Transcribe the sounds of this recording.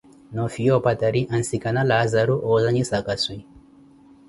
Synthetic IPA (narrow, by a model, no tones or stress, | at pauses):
nɔfijɔpat̪aɾiʔansikanalazaɾuʔɔːzaɲisakasui